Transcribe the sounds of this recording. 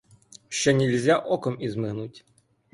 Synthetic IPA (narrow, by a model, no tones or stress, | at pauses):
ʃt͡ʃɛnʲɛlʲzʲaʔɔkɔmizmɪɦnutʲ